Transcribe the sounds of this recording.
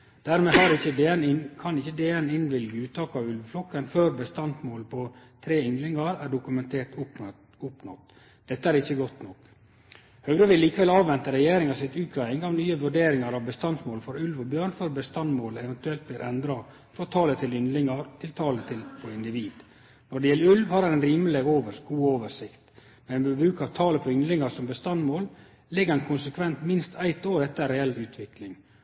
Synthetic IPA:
d̪̥æːɾmeːhɑɾɪçənkʰɑnɪçːəd̪eːɛnɪnʋɪlɡəʉːt̪ʰɑːkɑʋʉlʋflɔkːənføːɾbəst̪ɑnsmoːlpʰɔt̪ʰɾeːʏnlɪŋɑɾæɖʊkʉmɛnt̪ʰeːʈ̪ʊ | ʊpnɔ̰t̪ | d̪̥ɛt̪ːəæɾɪçːəɡɔt̪nɔk | hœɡɾəʋɪlliːkəʋɛlɑːʋʋɛnt̪əɾɛjeːɾɪŋɑsɪt̪ʉːkʰɾæɪŋɑʋnyːəʋʉɖeːɾɪŋɑɾɑʋbəst̪ɑnsmoːlfɔɾʉlʋɔbjøːɳføɾbəst̪ɑnmoːlɛʋɛnt̪ʉɛlt̪̚bliːɾʔɛnd̪ɾɑ | fɾɔt̪ʰɑːlət̪ʰɪlʏnd̪lɪŋɑɾt̪ʰɪlt̪ʰɑːlət̪ʰɪlpʰɔɪnd̪ɪʋiːd̪ | nɔɖɛjɛlːəʉlʋhɑɾhɑnɛnɾiːmleɡoːʋəɡuːoːʋəʂɪkt̪ | mɛænbɛbɾʉːkɑʋt̪ʰɑːləpʰɔʏnd̪lɪŋɑɾsɔmbəst̪ɑnmoːl | lɪɡːəɾɛnkʰʊnsəkʰʋɛnt̪mɪnst̪ʰæɪt̪oːɾɛt̪ːəɾɛɛlːʉːt̪ʰʋɪklɪŋ

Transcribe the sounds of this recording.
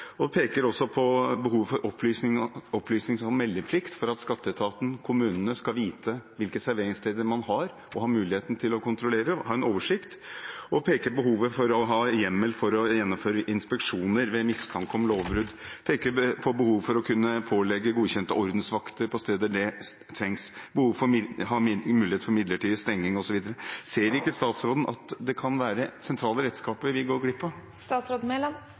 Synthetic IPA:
ɔpʰeːkəɾɔsːɔpʰɔbəɦuːʋfɔɾʔɔpʰlyːsnɪŋɔplyːsnɪŋsɔmːɛlːəpʰlɪkt̪fɔɾɑt̪skɑt̪ːət̪ʰɑːt̪n̩kʰʊmʉːnənəskɑlʋiːt̪ʰəʋɪlkəsæɾʋeːɾɪŋst̪ʰeːd̪əɾmɑnhɑɾ | ɔɦɑːmʉːlɪheːt̪n̩t̪ʰɪlɔkʰʊnt̪ɾʊleːɾəhɑːɛnoːʋəʂɪkt̪ɔpʰeːkəbəɦuːʋəfɔɾɔɦɑːjɛmːəlfɔɾɔjɛnːɔmføːɾəʔɪnspɛkʂuːnəɾʋɛmɪst̪ʰɑŋkɔmloːʋbɾʉd̪pʰeːkəpʰɔbəhuːʋfɔɾɔkʰʉnːəpʰoːlɛɡːəɡuːɕɛnt̪ə̰ʔɔɾd̪n̩sʋɑkt̪əɾpʰɔst̪eːd̪əæɖɛ | t̪ʰɾɛŋsbəhuːʋfɔhɑːmʉːlɪet̪fɔɾmɪd̪ləʈiːd̪st̪ɛŋːɪŋɔsɔʋiːd̪əɾəseːɾɪkːəst̪ɑːt̪sɾoːd̪ənʔɑ̰t̪d̪ɛkʰɑnʋæːɾəsɛnt̪ʰɾɑːləɾɛt̪skɑːpəɾʋɪɡoːɾɡɽɪpʰːɔ | st̪ɑːt̪sɾoːd̪̩meɔm

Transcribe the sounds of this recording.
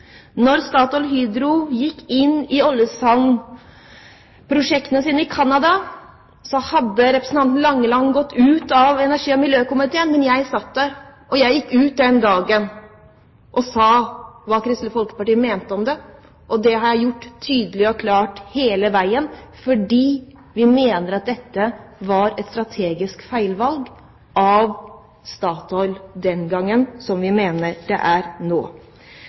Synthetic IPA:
nɔɾst̪ɑːt̪ɔlɦyːd̪ɾʊjɪkːɪnːɪɔlːjəsɑŋ | pʰɾʊʂɛkt̪ənəsiːnəɪkʰɑnːɑd̪ɑ | sɔhɑd̪ːəɾɛpɾə̥sn̩ɑnt̪n̩lɑŋːəlɑŋːɡɔt̪ːʉːt̪ɑʋɛnæʂiːɔmɪljøːkʊmɪt̪ʰeːənmɛnjæɪsɑt̪̚d̪æɾ | ʔɔjæɪjɪkːʉːt̪̚d̪ɛnd̪ɑːɡən | ʔɔsɑːʋɑːkʰɾɪst̪ləfɔlkə̥pɑʈiːəmeːnt̪əɔmd̪ɛ | ʔɔd̪ɛɦɑɾjæɪjʊʈ̪ːʰyːd̪əlɪɔkʰlɑːʈheːləʋæɪənfɔɖiː | ʋɪmeːnəɾɑt̪̚d̪ɛt̪ːəʋɑɾɛt̪st̪ɾɑt̪ʰeːɡɪskfæɪlʋɑlɡ | ʔɑʋ | st̪ɑːt̪ɔʏld̪ɛnɡɑŋːənsɔmʋɪmeːnəɾɖ̪̥ɛ̰ʔæɾnoː

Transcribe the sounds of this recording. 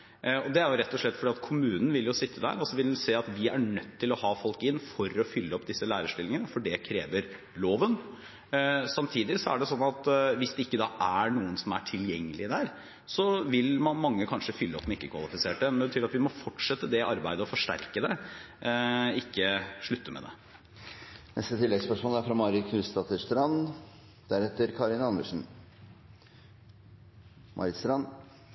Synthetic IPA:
ɔd̪ɛæɾjʊɾɛt̪ːɔʂɭɛt̪ːfɔɖiːɑt̪kʰʊmʉːnn̩ʋɪljʊsɪt̪ʰːəd̪æ̰ːɾɔlsɔʋɪlseːɑt̪ʋɪæɳœt̪ʰːɪlɔhɑːfɔlkɪnːfɔɾɔfʏlːəɔpːd̪ɪsːəlæːɾəʂʈɪlɪŋənəfɔɖɛkʰɾḛːʋəɾ | loːʋən | sɑmt̪ʰiːd̪ɪsɔæ̰ɖɛsɔnːɑt̪ʋɪsd̪ɛɪkːəd̪ɑːʔæɳuːənsɔmæʈʰɪljɛŋːəlɪd̪æːɾ | sɔʋɪlmɑnmɑŋːəkʰɑnʂəfʏlːəɔpːmɛɪkːəkʰʋɑ̰lˠɪfɪseːʈəmɛnɛbət̪yːɾɑt̪ʋɪmɔfɔʈʂɛt̪ːəd̪ɛʔɑɾbæɪd̪əɔfɔʂʈæ̰ɾkəd̪ɛ | ɪkːəʂɭʉt̪ːəmɛ̰d̪ɛ̰ | nʔɛ̰st̪ət̪ʰɪlːɛɡspœʂmoːləæɾfɾɑmɑɾɪkʰʉst̪ɑt̪əʂt̪ɾɑn | d̪̥æɾɛt̪ːəɾkʰɑɾɪnɑnd̪əʂn̩ | mʔɑ̰ɾɪst̪ɾɑn

